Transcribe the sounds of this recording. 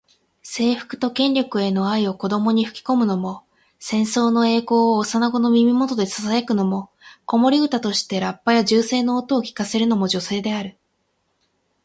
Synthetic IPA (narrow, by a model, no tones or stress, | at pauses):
se̞ːɸɯ̟̥kɯ̟̥t̪o̞kẽ̞nʲɾʲo̞kɯ̟e̞no̞aio̞ko̞d̪o̞mo̞ɲ̟iɸɯ̟̥kʲi̥ko̞mɯ̟no̞mo̞ | sẽ̞ɰ̃so̞ːno̞e̞ːko̞ːsanaɡo̞no̞mʲimʲimo̞t̪o̞d̪e̞sḁsaekɯ̟no̞mo̞ | ko̞mo̞ɾʲiɡɯ̟t̪at̪o̞ɕi̥t̪e̞ɾapːajaʑɨːse̞ːno̞ːt̪o̞ːkʲi̥kase̞ɾɯ̟no̞moʑo̞se̞ːd̪e̞aɾɯ̟